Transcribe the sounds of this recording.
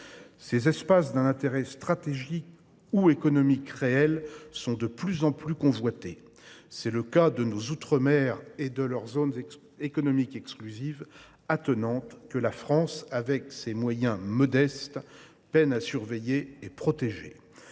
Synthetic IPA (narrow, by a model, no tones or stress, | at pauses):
sezɛspas̬d̪ɛ̃nɛ̃t̪eʁɛst̪χat̪eʒik | uekɔnɔmikʁeɛlsɔ̃d̪əplyzɑ̃plykɔ̃vwat̪e | sɛləkad̪ənozut̪χəmɛʁed̪əlœʁzon | ekɔnɔmikɛksklyziv | at̪ənɑ̃t̪kəlafχɑ̃savɛksemwajɛ̃mɔd̪ɛst̪ | pɛnasyʁvɛjeːpχɔt̪eʒḛ